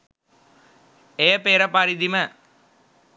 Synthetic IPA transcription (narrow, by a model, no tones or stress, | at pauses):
eːpeːɾɐpaɾid̪imɐ